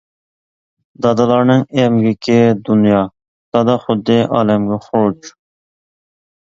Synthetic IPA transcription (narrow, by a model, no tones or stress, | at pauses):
d̪ɑd̪ɑlˠɑɾnɨŋɛmɡʲɪkʲʰɪd̪unjɑ | sɑd̪ɑχʊd̪ːɪʔɑ̰ːlɛmɡʲɛχoɾt͡ʃ